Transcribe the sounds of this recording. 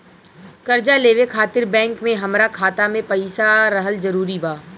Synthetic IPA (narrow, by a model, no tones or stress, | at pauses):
kɐɾd͡ʒaleːʋekʰaːt̪ɪɾbɛ̃ːŋkmẽɦɐmɾakʰaːt̪amẽpɐɪsaɾɐɦəlzɐɾuːɾibaː